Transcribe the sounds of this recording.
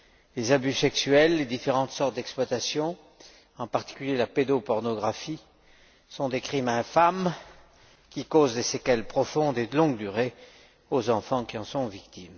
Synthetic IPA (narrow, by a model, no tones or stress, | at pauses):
lezabysɛksyɛlːed̪ifeʁɑ̃t̪sɔʁt̪̚d̪ɛksplwat̪asjɔ̃ | ɑ̃paʁt̪i̥kʲyljelaped̪opɔʁnɔɡʁafi | sɔ̃d̪ekχimɛ̃fam | kʲikozd̪esekalpχɔfɔ̃d̪ed̪əlɔ̃ɡd̪yʁe | ozɑ̃fɑ̃kʲiɑ̃sɔ̃vikt̪im